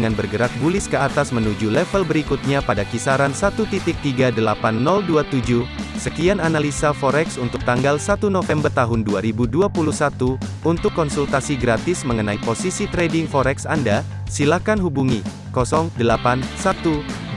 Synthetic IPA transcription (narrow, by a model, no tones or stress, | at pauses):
ŋanbərɡəɾak̚bulɪskəat̪asmənud͡ʒulɛfəlbəɾikut̪̚ɲapadakisaɾansat̪ut̪it̪ɪk̚t̪iɡadəlapanːɔlduat̪ud͡ʒusəkiananalisafɔɾɛksunt̪ʊk̚t̪aŋɡalsat̪unofɛmbərt̪aɦʊnduaɾibuduapuluhsat̪uunt̪ʊkːɔnsult̪asiɡɾat̪ɪsməŋənaiposisit̪ɾɛdɪŋfɔɾɛksanda | silakanɦubuŋi | kɔsɔŋdəlapansat̪u